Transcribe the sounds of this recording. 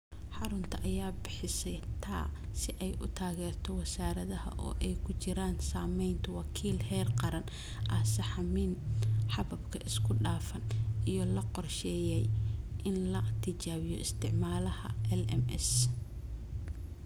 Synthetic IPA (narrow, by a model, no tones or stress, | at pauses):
ħɑɾʊnt̪ʰɐʔɐjaːbɪħɪsɛjt̪ʰa̰ːsɪʔɛjʔʊ̰t̪ʰaːɣɛːrt̪ʰɔwɐsaːɾɐðɐhɐ̰ʔɔ̰ːʔɛjkʰʊt͡ʃɪɾaːnsaːmɛjnt̪ʰɐwɑkʰiːlhɛːrqɑɾɐn | ʔɐsɐħɑmiːnħɑβɐbkʰɐʔɪskʰʊɖaːfɐnijɞlɐqɔrʃɛːjɛjʔɪnlɐt̪ʰɪt͡ʃaːwɪjɔ̰ɪst̪ʰɪʕmaːlɐhɐ̰ʔɛlɛmɛ̰s